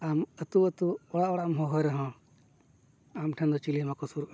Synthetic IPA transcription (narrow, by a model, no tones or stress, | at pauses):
amət̪uət̪uɔɽaʔɔɽaʔmɦɔ̃ɦɔjɾɛɦɔ̃ | amʈʰand̪ɔt͡ʃilimakɔsuɾʔ